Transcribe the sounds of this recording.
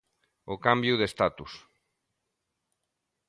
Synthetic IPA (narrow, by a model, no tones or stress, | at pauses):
okambjuðest̪at̪us